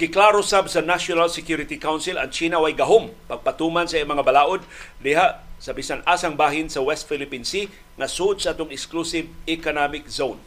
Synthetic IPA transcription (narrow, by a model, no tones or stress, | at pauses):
kɪklaɾosabsɐnaʃonalsɪkjuɾɪt̪ikawnsɪlɐ̰ŋt͡ʃiːnawajɡɐɦompɐɡ̚pat̪umansɐʔimɐŋabalaːʔod̪̚d̪ɪɦaʔsɐbisanʔasaŋbaːɦɪnsɐwɛst̪filɪpinsi | ŋɐsuʔod̪̚saʔat̪oŋɪksklusɪvɪkonamɪk̚zown